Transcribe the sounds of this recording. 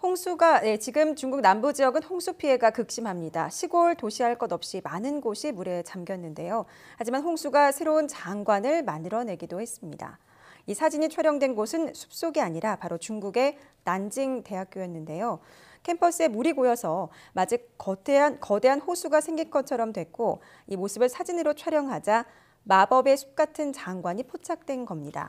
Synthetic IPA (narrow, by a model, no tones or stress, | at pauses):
hoŋsʰuɡaje̞t͡ɕiɡɯmt͡ɕuŋɡuɡ̚nambud͡ʑiʌɡɯnhoŋsʰupʰie̞ɡakɯk̚ɕ͈imɦamɲida̰ɕʰiɡoɭtoɕʰiɦaɭk͈ʌdʌp̚ɕ͈imanɯnɡoɕʰimuɾe̞t͡ɕamɡjʌnːɯnde̞jo | had͡ʑimanɦoŋsʰuɡasʰe̞ɾount͡ɕaŋɡwanɯɭmanɯɾʌne̞ɡidohes͈ɯmɲḭda̰ | isʰad͡ʑiɲit͡ɕʰʌɾjʌŋdwe̞nɡosʰɯnsʰu̥p̚s͈oɡiaɲiɾapaɾot͡ɕuŋɡuɡe̞ | nand͡ʑiŋte̞ɦak͈joɦenːɯnde̞jo | kʰe̞mpʰʌs͈ɯe̞muɾiɡojʌsʰʌmad͡ʑik̚kʌtʰeankʌde̞ɦanɸosʰuɡasʰe̞ŋɡiɭk͈ʌt͡ɕʰʌɾʌmdwe̞k͈o | imosʰɯbɯɭsʰad͡ʑinɯɾot͡ɕʰwaɾjʌŋɦad͡ʑa | mabʌbe̞sʰu̥p̚k͈atʰɯnt͡ɕaŋɡwaɲipʰot͡ɕʰak̚t͈we̞nɡʌmɲida̰